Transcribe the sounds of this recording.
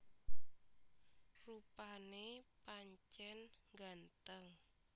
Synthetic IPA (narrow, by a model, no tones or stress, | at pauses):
rupanepaɲt͡ʃɛnɡant̪əŋ